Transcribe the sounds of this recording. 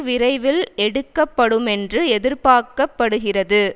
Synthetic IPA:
ʋɪrɐɪʋɪlɛɽɯkːɐpːɐɽɯmɛndrɯɛðɪɾpaːɾkɐpːɐɽɯɣɪrɐðɯ

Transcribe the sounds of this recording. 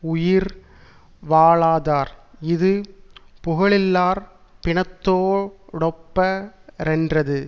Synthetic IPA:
ʊjɪɾ | ʋaːɭaːðaːɾɪðɯpʊɣɐɭɪlːaːɾ | pɪɳɐt̪ːoːʊɽɐpːɐɾɛndrɐðɯ

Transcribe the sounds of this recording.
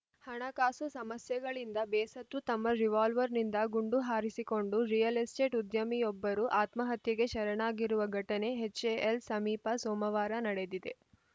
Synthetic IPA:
hɐɳɐkaːsusɐmɐsjɐɡɐɭind̪ɐbɛːsɐt̪ːut̪ɐmːɐɾiʋaːlʋɐɾnind̪ɐɡuɳɖuɦaːɾisiko̞ɳɖuɾijɐlisʈe̞ːʈud̪jɐmijɔbːɐɾuʔaːt̪mɐɦɐt̪jɐɡe̞ʃɐɾɐɳaːɡiɾuʋɐɡʱɐʈɐne̞ɦet͡ʃːeʔːlsɐmiːpɐsoːmɐʋaːɾɐnɐɽe̞d̪id̪e̞

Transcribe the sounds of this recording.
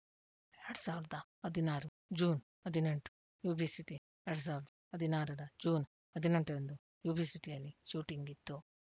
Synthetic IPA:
eɾɽusaːʋiɾid̪ɐɐd̪inaːɾu | d͡ʒuːn | ɐd̪ineɳʈu̥ | juːbiːsiʈi | eɾɽus̬aːʋiɾd̪ɐɐd̪ʱinaːɾɐɾɐd͡ʒuːn | ɐd̪ineɳʈuɾɐnd̪u | juːbʱiːsiʈijɐlːiʃuːʈiŋɡit̪ːu

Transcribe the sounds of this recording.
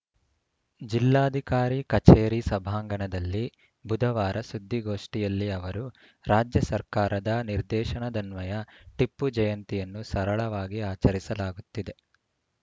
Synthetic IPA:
d͡ʒilːaːd̪ʱikaːɾikɐt͡ʃeːɾisɐbʱaːŋɡɐɳɐd̪ɐlːi | bud̪ʱɐʋaːɾʔɐsud̪ʱːiɡo̞ːʂʈijɐlːiɐʋɐɾu | ɾaːd͡ʒjɐsɐɾkaːɾɐd̪ɐniɾd̪ɛːʃɐɳɐd̪ɐnʋɐjɐʈipːud͡ʒɐjɐnt̪ijɐnːusɐɾɐɭɐʋaːɡiaːt͡ʃɐɾisɐlaːɡut̪ːid̪e̞

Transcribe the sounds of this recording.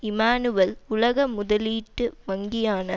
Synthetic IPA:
ɪmaːnɯʋɐlʊlɐɣɐmʊðɐliːʈːɯʋɐŋɡɪjaːnɐ

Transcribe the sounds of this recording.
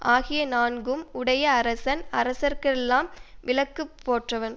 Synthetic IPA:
ʔaːɣɪjɐnaːnɡɯmʊɽɐjɐːɾɐsɐnɐɾɐsɐɾkɐɭɛlːaːmʋɪlɐkːɯpːoːʈrɐʋɐn

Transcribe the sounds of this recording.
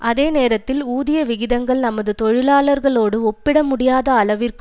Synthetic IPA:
ʔɐðeːneːɾɐt̪ːɪluːðɪjɐʋɪɣɪðɐŋɡɐɭnɐmɐðɯt̪ɔɻɪlaːɭɐɾɣɐɭoːɽɯɔpːɪɽɐmʊɽɪjaːðɐːɭɐʋɪrkɯ̥

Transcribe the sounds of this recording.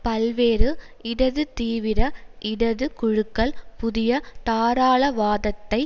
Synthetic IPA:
pɐlʋeːɾɯ | ɪɽɐðɯt̪iːʋɪɾɐʔɪɽɐðɯkʊɻɯkːɐɭpʊðɪjɐt̪aːɾaːɭɐʋaːðɐt̪ːɐɪ

